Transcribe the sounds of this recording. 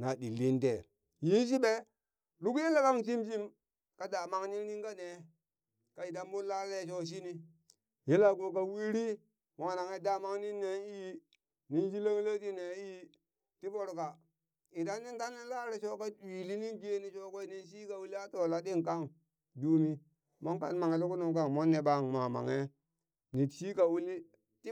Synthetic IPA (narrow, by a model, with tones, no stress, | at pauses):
na˨dḭ˨lːi˦nte˨ | ji˦n˦s̬i˦ɓe˦ | lu˦ki˦n˦la˦ka˦ŋs̬i˦ms̬i˦m | ka˨˦da˨ma˦ŋni˦ni˦ŋka˦ne˨ | ka˨i˨ta˦m˦u˦la˦le˦˨ʃ̬o˦s̬i˦ni˦ | ji˦la˦˨ɡo˨ka˨wi˦ɾi˦ | ma˨na˨ŋe˨da˨ma˦ŋni˦nːe˦i˦ | ni˦nd͡ʒi˦la˦ŋ˦la˦ti˦ne˨i˦ | ti˦bo˦ɾka˨ | i˨da˦nːi˦nda˦nːe˦la˦le˨ʃo˦ka˦i˨li˦ni˦nɡe˦ni˨ʃo˦ko˦i˦ni˦ns̬i˦ka˨wu˦li˦a˦to˨la˦di˦ŋka˦ŋ | du˦mi˦ | mo˦ŋka˨nma˨ŋe˨lu˦ku˦nu˨ŋk̬a˦ŋmo˦nːe˨ɓa˦˨ŋma˨ma̰˨ŋe˦ | ni˨ʃi˦ka˨wu˦li˦ | ti˦